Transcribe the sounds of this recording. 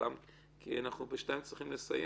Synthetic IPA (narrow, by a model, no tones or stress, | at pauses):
am | kʰḭanaχnubɪʃnaɪmt͡siχimləsajɛ